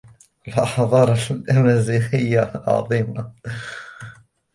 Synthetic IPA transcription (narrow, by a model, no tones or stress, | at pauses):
əlʔɑħðˤɑɾˤllʔæmæziħɪjːaʕɑ̰ðˤiːma